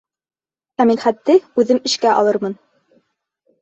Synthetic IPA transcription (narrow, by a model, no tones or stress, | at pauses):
æminχæt̪ːɘʉðɘmɘ̆ʃkæʔɑ̰lˠɤɾmɤn